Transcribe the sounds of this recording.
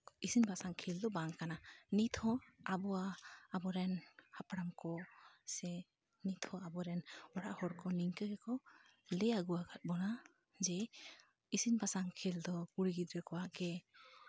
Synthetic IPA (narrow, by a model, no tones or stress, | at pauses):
isinbasaŋkʰild̪ɔbaŋkananit̪ʰɔabɔwaːbɔɾɛnhapɽamkɔsɛ | nit̪ʰɔabɔɾɛnɔɾaʔhɔɾkɔniŋkɯɡɛkɔ | lɛjaɡuwaɡat̚bɔna | zɛ | isinbasaŋkʰild̪ɔkuɾiɡid̪ɾɛkɔwakɛ